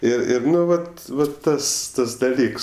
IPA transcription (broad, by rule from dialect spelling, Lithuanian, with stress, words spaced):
ɪr ˈɪr ˈnʊ ˈʋɐt ˈʋɐ ˈtɐs ˈtɐs dɐˈlʲiːks